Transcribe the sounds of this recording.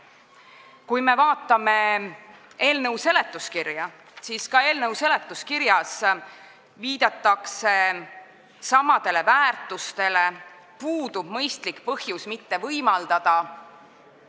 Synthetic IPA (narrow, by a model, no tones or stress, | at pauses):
kujme̞vɑːt̪ːˑɑme̞ | e̞ːlnɤwse̞le̞t̪ːˑuskirjɑ | siskɑe̞ːlnɤwse̞le̞t̪ːˑuskiɾjɑs | viːd̪̥ɑt̪ːˑɑkse̞ | sɑmɑd̪̥e̞le̞væːrt̪ːˑust̪e̞le̞ | puːd̪ub̥mɤjst̪likpɤhjusmit̪ːe̞vɤjmɑld̪̥ɑd̪̥ɑ